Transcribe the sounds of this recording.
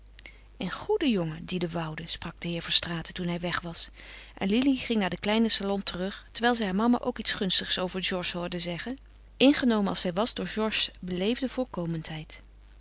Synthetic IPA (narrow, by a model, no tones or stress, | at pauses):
ənχudəjoŋədidəʋɑwdəsprɑɡ̚dəɦɪːɹvɔɹstraːtətunɦɛjʋɛχʋɑsʔɛ̰nliliχɪŋnaːɹdəklɛjnəsalɔntərɵχtəɹʋɛjlˠzɛjɦaːɹmɑma̰ʔowkitsχɵnstəχsowvəɹʒɔɹʃɦʊːɹdəzɛχən | ʔɪnχənowmənɑlˠsɛjʋɑzdʊːɹʒɔɹʃbəlejvdəvʊːɹkowməntɦɛjt